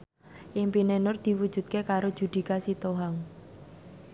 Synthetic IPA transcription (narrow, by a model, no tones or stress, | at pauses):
ʔɪŋpinenʊrd̪̥i̤wud̥d͡ʒ̥ṳt̪̚kekaɾodʒ̥ṳd̪̥i̤kasit̪oɦaŋ